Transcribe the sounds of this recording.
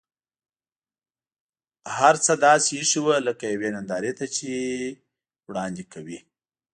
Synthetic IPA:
haɾt͡səd̪ɑsiʂiwələkajawenand̪ɑɾet̪at͡ʃe | wɽɑnd̪ekʰawi

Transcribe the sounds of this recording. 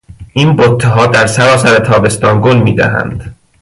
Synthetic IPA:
ʔiːnbot̪ʰːeɦɒːd̪æɾsæɾɒːsæɾet̪ʰɒːbe̞st̪ɒːnɡonmiːd̪æ̰ɦæ̰nd̪̥

